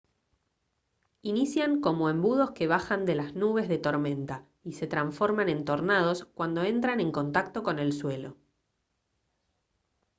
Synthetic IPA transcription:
inisjaŋko̞moembuð̞o̞ske̞β̞axand̪elaznuβe̞zðe̞t̪o̞ɾmẽ̞nt̪a | ise̞t̪ɾaɱfo̞ɾmanẽ̞nt̪o̞ɾnað̞o̞skwand̪o̞e̞nt̪ɾane̞ŋko̞nt̪akt̪o̞ko̞ne̞lswe̞lo̞̰

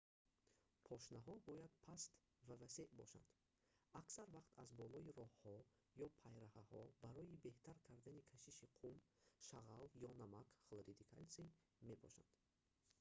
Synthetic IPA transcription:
pʰɔʃnaɦɔbɔjad̪pʰast̪ | vavase̞ʔbɔ̰ʃa̰nd̪̥ | aksaɾvaqt̪azbɔlɔiɾɔhhɔ | jɔpʰajɾahahɔbaɾɔibe̞ht̪ʰaɾkʰaɾd̪anikʰaʃiʃiqʰum | ʃaʁaljɔnamakχlˠɾid̪ikʰa̰lsi | me̞pʰɔʃa̰nd̪̥

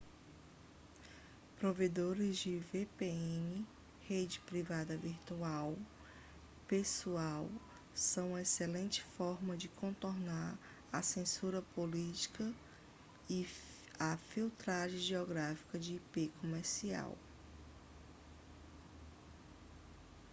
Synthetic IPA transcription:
pɾoved̪oɾɪzd͡ʒɪvepeẽnɪ | hed͡ʒɪpɾivad̪ɐviɾt̪uaw | pesuaw | sɐ̃w̃ũɐeselẽnt͡ʃɪ̥fɔɾmɐd͡ʒɪkʰõt̪oɾnaɾ | ɐsẽsuɾɐpolit͡ʃi̥kɐ | ɪ | afiwt̪ɾaʒẽʒeɔɡɾafi̥kɐd͡ʒɪːpekõmeɾsia̰w

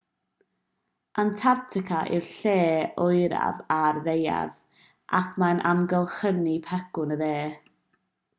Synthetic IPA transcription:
ʔantʰartʰɪkʰaʔɪrɬeːʊɨɾa̰varðeja̰ð | ʔakʰmanʔamɡəlˠχənipʰɛɡʊnəðeː

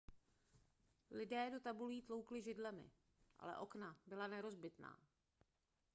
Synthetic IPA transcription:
lɪdɛːdo̞t̪abuliːt̪lo̞wklɪʒɪdlɛmɪ̰ | ʔa̰lɛ̰ʔo̞knabɪlanɛɾo̞zbɪt̪na̰ː

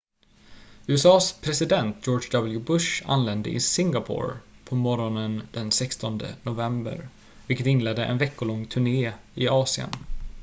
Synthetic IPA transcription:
ʉːɛsɑːspʰɾɛsɪd̪ɛnt̪̚joːd͡ʒd̪ɑbəljʊbɵʂa̰nlɛnd̪ə̰ʔɪ̰sɪŋɡapʰʊ̰ɾpʰɔmɔɾɔnənd̪̥ɛnsɛkst̪ɔnd̪ə̰nʊvɛmbə̰ɾ | vɪlkːət̪ɪnlɛd̪ːəʔɛ̰nvɛkːʊlɔŋːt̪ʰɵɳeːɪɑːsɪə̰n

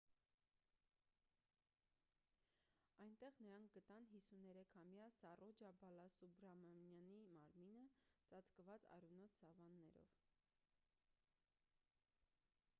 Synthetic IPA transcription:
ɑjnt̪ɛʁnəɾɑŋk̚ʰɡət̪ɑnɦisunɛɾɛkʰhɑmjɑsɑrʔɔd͡ʒɑbɑlɑsubɾɑmɑmjɑnimɑɾminət͡sɑt͡skəvɑt͡sɑ̰ɾunɔt̪ʰsɑvɑnːɛɾɔ̰v

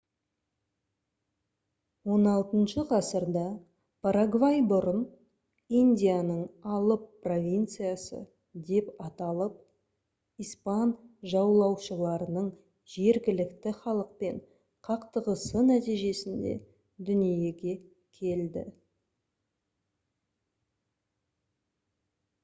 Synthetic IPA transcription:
wo̞nɑlˠt̪ənʃəqʰɑsəɾd̪ɑ | pʰaɾaɡvajbʊɾən | ijnd̪ʲijanəɴɑlˠəpːro̞vʲijnt̪sɨjasə̰ | d̪e̞pɑt̪ɑlˠəp̚ | ijspɑnʒɑwlˠɑwʃəlˠɑɾənəɴ | ʒe̞ɾɡʲɪlɪkt̪ɪχɑlˠəq̚pe̞ɴ | qʰɑqt̪əʁəsənæt̪ijʒe̞sɪnd̪ḛ | d̪ʏnije̞ɡʲe̞ | kʲʰe̞ld̪ɪ̰

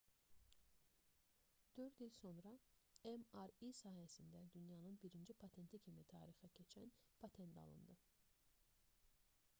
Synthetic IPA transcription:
d̪̥ø̞ɾd̪ilso̞nɾɑemɑɾisɑːɦæsind̪æd̪ynjɑnɯnbiɾind͡ʒipʰɑt̪ʰe̞nt̪ʰicʰimit̪ʰɑ̰ːɾixɛcʰe̞t͡ʃʰænpʰɑt̪ʰe̞nt̪ʰɑ̰lˠɯ̰nd̪ɯ

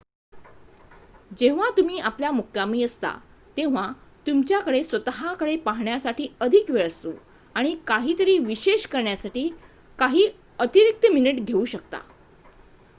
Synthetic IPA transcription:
d͡ʑeʋ̤at̪um̤iːapljamukʰːjamiːəst̪a̰ | t̪eʋ̤at̪umt͡ɕjakəɽesʋət̪əɦakəɽepaɦɳjasaʈiːəd̪ʱikʋeɭəst̪o̰ | aɽ̃ikaɦiːt̪əɾiːʋiɕeɕkəɾɳjasaʈiː | kaɦiː | ət̪iɾik̚t̪əminəʈɡʱeuɕək̚t̪a̰

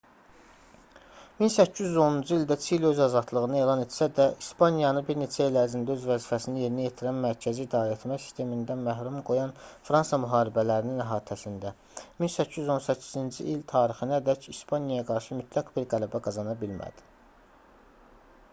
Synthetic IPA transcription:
minsæcʰːizyzo̞nund͡ʒɯild̪æt͡ʃʰiilø̞zɑzɑd̪lˠɯɣɯnɑe̞ːlˠɑne̞t̪sæd̪æʔispɑnjɑnɯbiɾne̞t͡ʃʰæilæɾzind̪æøzvæzifæsinije̞ɾnije̞t̪ʰiɾænmæɾcʰæziːd̪ɑːɾet̪ʰmæsi̥st̪ʰe̞mind̪ænmæɦɾumɡo̞jɑnfɾɑnsjɑmyɦɑːɾibælæɾininæɦɑːt̪ʰæsind̪æ | minsæcʰːijyzo̞nsæcʰːi̥zind͡ʒḭʔilt̪ʰɑːɾixɯnæd̪æcispʰɑnjɑjɑɡɑɾʃɯmyt̪ʰlæɡbiɾɡælæbæɡɑzɑnɑbilmæ̰d̪̥i̥

